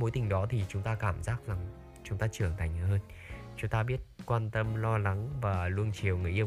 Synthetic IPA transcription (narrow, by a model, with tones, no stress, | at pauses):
mo˨˦jt̪ï˨˩ŋ̟ɗɔ˨˦t̪ʰi˨˩t͡ɕʊ˨˦ŋ͡mt̪aː˧kaː˧˩mzaː˦˥k̚za˨˩ŋ | t͡ɕʊ˨˦ŋ͡mt̪aː˧t͡ɕɨ˧˩əŋt̪ʰa˨˩jŋ̟həː˧n | t͡ɕʊ˨˦ŋ͡mt̪aː˧ɓi˦˥ət̚kwaː˧nt̪ə˧mlɔ˧la˨˦ŋvaː˨˩lu˧ənt͡ɕi˨˩əwŋɨ˨˩əjʔ